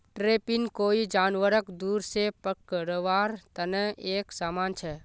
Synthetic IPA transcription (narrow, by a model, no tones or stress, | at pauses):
ʈɾeːpɪnkoːid͡ʒaːnʋəɾəkd̪uːɾsepəkːɾəʋaːɾt̪ənəeːksaːmaːnt͡ʃʰɛː